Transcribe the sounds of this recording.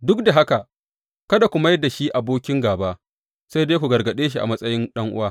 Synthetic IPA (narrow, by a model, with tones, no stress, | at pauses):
dʊ˦k̚da˨ɦa˦ka˨ | kɐ˦da˨kʷu˨ma˦jda˨ʃi˦ʔa˨boː˦kʲɪ˦ŋɡaː˨baː˦ | sa˦jdeː˦kʷu˨ɡɐ˨rɡɐ˨ɗeː˦ʃ̬i˦˨ʔa̰˨mɐ˦sʼɐ˦jɪ˦nɗɐ˦ŋʔʊ̰˦waː˦